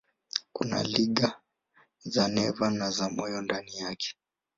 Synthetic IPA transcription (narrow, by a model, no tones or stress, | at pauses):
kṵna̰liɠa | zanɛvanazamɔjɔndanijakʰɛ̥